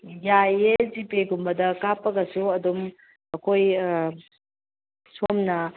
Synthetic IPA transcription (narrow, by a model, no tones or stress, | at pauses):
jajezipeɡumbɐdɐkapɐɡɐsuɐdum | ɐkʰoj | somnɐ